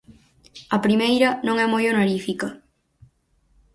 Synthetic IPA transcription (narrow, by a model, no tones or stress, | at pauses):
ɐpɾimejɾɐnõŋɛmojonaɾifikɐ